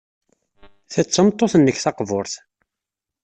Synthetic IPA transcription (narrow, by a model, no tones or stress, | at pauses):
θæt͡sːəmt̪ˤːoθənːəçθɑqvʊɾθ